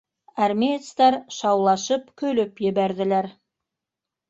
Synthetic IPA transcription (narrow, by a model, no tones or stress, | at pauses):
æɾmet̪st̪ɑɾʃɑwlˠɑʃəp̚kʲʰɵlɘpjebæɾd̪ɪ̆læɾ